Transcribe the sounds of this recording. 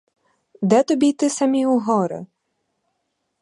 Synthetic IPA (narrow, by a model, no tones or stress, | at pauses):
d̪ɛt̪ɔbʲit̪ɪsɐmʲiuɦɔɾɪ̰